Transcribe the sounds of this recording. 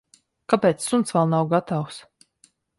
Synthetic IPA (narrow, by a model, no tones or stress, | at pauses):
kapɛːt̪sːunt̪svɛlˠnawɡat̪aws